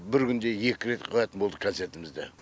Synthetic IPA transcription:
bɪɾkʲʰʏnd̪e̞je̞kʲɪɾe̞t̪qʰɑvæt̪ɪnbo̞lˠd̪əkʰont̪se̞ɾt̪ɪmɪzd̪ḛ

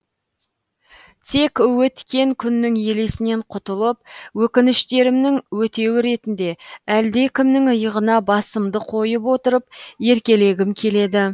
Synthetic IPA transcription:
t̪ʰe̞kʲwɵt̪kʲe̞ŋkʲʰʏnːɪŋje̞le̞sɪne̞ɴqʰʊt̪əlˠəp̚wɵkʲɪnɪʃt̪e̞ɾɪmnɪŋwɵt̪e̞wɪɾe̞t̪ɪnd̪e̞æld̪e̞kʲʰɪmnɪŋəjəʁənɑbɑsəmd̪əqʰo̞jəpwot̪əɾəp̚je̞ɾkʲe̞le̞ɡʲɪmkʲʰe̞le̞d̪ɪ

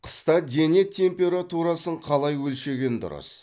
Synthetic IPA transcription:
qʰə̥st̪ɑd̪e̞ne̞t̪ʲʰːe̞mpʲe̞ɾat̪uɾɑsəɴqʰɑlˠɑjwɵlʃe̞ɡʲe̞nd̪ʊ̰ɾə̰s

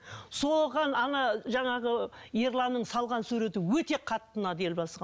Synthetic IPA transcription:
so̞ʁɑnɑnɑʒɑɴɑʁəjeɾlˠɑnːəɴsɑlˠʁɑnsʉɾe̞t̪ɪwɵt̪e̞qʰɑt̪ːənɑd̪e̞lbɑsʁɑ

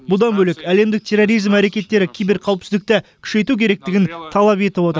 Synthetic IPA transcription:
bʊd̪ɑnbɵlɪkæle̞md̪ɪk̚t̪ʲʰe̞ro̞ɾijzmæɾe̞kʲe̞t̪ːe̞ɾɪkʲʰejbɪɾqʰɑwəpsɪzd̪ɪk̚t̪ɪkʲʰʏ̥ʃe̞jt̪ukʲʰe̞ɾe̞k̚t̪ɪɡʲɪnt̪ʰɑlˠɑpe̞t̪ɪpwo̞t̪əɾ

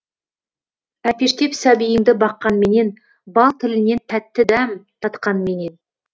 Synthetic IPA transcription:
æpe̞ʃt̪e̞psæbijɪŋd̪ɪbɑqːɑnme̞ne̞n | bɑlˠt̪ʰɪlɪne̞nt̪ʰæt̪ːɪd̪æmt̪ʰɑt̪qɑnme̞ne̞n

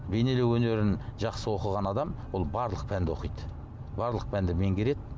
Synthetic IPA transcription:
be̞jne̞lewɵne̞ɾɪnʒɑqsəwo̞qəʁɑnɑd̪ɑmwo̞lˠbɑɾlˠəq̚pʰænd̪ɪo̞qijt̪ə | bɑɾlˠəq̚pʰænd̪ɪme̞ŋɡʲe̞ɾe̞d̪ɪ

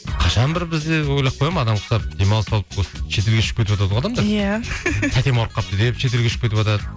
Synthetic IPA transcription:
qʰɑʃɑnbɪɾbɪzd̪ewojlˠɑp̚ʰːojɑməɑd̪ɑmqʰʊ̥sɑp̚d̪e̞mɑlˠsɑlˠəposəʃʰe̞t̪e̞lɡʲeʃʏ̥k̚ʲeɪpwot̪ɑʁɑd̪ɑmd̪ɑjat̪ʰæt̪e̞moɾqːɑp̚t̪ʰəd̪epʃʰe̞t̪̬e̞lɡʲeʃʊ̥kpket̪ɪpwot̪ɑd̪ə

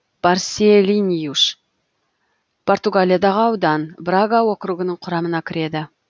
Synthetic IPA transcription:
b̥arsʲelʲinʲijuʃ | pʰo̞rt̪uɡalʲijad̪ɑʁəɑwd̪ɑnbraɡawo̞kɾuɡənəɴqʰʊɾɑmənɑkʲʰɪɾe̞d̪ɪ

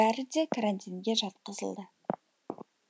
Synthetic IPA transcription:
æɾɪd̪e̞kʰaɾant̪ʲinɡʲe̞ʒɑt̪qəzə̰lˠd̪ə

